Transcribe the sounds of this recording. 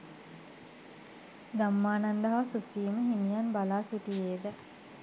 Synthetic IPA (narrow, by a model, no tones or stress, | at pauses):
ɡ̪amːaːnand̪aɦasusiːməɦimijanbalaːsiʈijeːd̪ə